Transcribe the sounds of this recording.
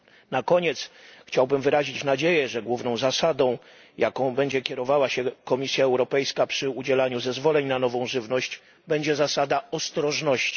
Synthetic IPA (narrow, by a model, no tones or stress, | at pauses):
nakɔɲɛt̪sxt͡ɕawbɘmvɘɾaʑit͡ɕnad͡ʑejɛʐɛɡwuvnɔ̃w̃zasad̪ɔ̃w̃ | jʔakɔ̃w̃bɛɲd͡ʑɛkʲjɛɾɔvawaɕɛkɔmʲisʲjaɛwɾɔpɛjskapʂɘud͡ʑɛlaɲuzɛzvɔlɛɲnanɔvɔ̃w̃ʐɘvnɔɕt͡ɕ | bɛɲd͡ʑɛzasad̪aɔst̪ɾɔʐnɔɕt͡ɕi̥